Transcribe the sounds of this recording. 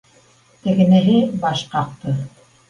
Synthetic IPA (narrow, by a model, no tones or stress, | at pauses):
t̪æ̆ɡɘ̆næɦɘbɑʃqɑq̚t̪ɤ